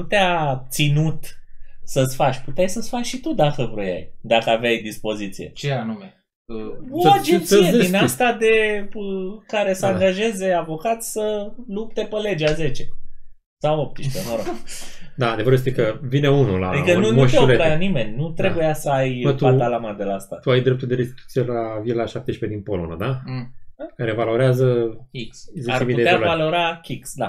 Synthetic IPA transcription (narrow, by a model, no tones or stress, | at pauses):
put̪eat̪sinut̪səsʲfat͡ʃʲput̪eajsəsfat͡ʃʃit̪ud̪akəvɾoja̰jd̪akəavajd̪ispo̞zit̪sije̞̰t͡ʃeanume | oad͡ʒent̪sijeinast̪ad̪e̞bəkaɾe̞səaŋɡaʒe̞ze̞avo̞kat̪sʲsəlup̚t̪e̞pəle̞d͡ʒeaze̞t͡ʃe̞ | sawop̚t̪iʃt̪enoɾo̰d̪aːd̪evəɾujest̪ektəvineunula̰ad̪ikənunmuoʃeoleaanime̞nʲnut̪ɾebujasəajmət̪uab̪alamad̪elaast̪at̪uajd̪ɾep̚t̪uld̪eɾest̪it̪u̥t̪sijelavielaʃap̚t̪e̞ʃped̪inpo̞lo̞na̰d̪a | re̞valo̞ɾeazəkʲikszeaɾt͡ʃemiud̪eealvalo̞ɾakʲiksd̪a̰